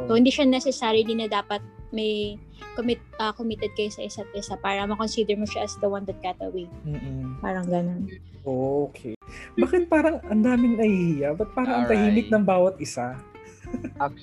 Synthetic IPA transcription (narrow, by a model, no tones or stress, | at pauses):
sohɪnd̪iːʃɐnɛsɛsaːɾɪd̪inːɐd̪aːpɐt̪̚mɐj | komɪt̪̚ʔɐkomit̪ɛd̪̚kɐjosɐʔɪsat̪̚ʔɪsapaːɾɐmɐkonsiːd̪ɛɹmoʃaʔɐsd̪ɐwand̪ɐt̪̚kat̪ɐwem̩ːʔ̩pa̰ːɾɐŋɡɐno̞n | ʔoʔokʰɛbakɪt̪paːɾɐŋʔɐnd̪aːmɪŋnɐhihijaʔbɐt̪̚paːɾɐʔɐŋt̪ɐhiːmɪt̪̚nɐŋbaːwɐt̪̚ʔɪsa